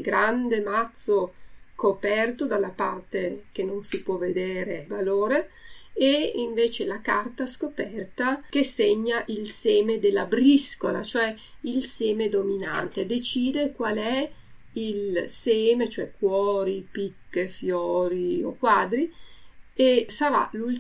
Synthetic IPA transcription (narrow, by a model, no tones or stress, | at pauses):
ɡɾand̪emat̪sokopɛrt̪od̪alːapa̰rt̪ek̟enonsipwɔved̪eːɾevaloːɾeeiɱveːt͡ʃelakart̪askopɛrt̪ak̟eseɲːaʔilseːmed̪elːabɾiskola̰t͡ʃoɛ | ilseːmed̪omina̰nt̪ed̪et͡ʃiːd̪ekwalɛ | ilseːmet͡ʃoɛkwɔːɾipikːefjɔːɾio̰kwaːd̪ɾi | esaɾa̰lul